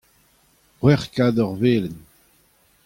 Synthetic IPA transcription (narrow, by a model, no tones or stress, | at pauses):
ʁwɛʁkad̪ɔʁveːlən